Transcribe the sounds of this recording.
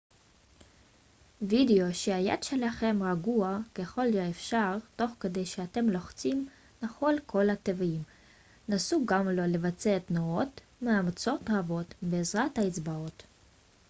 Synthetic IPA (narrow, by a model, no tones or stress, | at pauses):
video̞ʃeaja̰d̪ʃe̞laχe̞mʁaɡuake̞χo̞ljoefʃaʁto̞χke̞de̞jʃeate̞mloχt͡sim | naχo̞lkʰo̞lat̪evim | nasuɡamlo̞le̞vat͡seet̪noot | maamat͡so̞tʁabo̞tbeːzʁathaet͡sbao̞t̪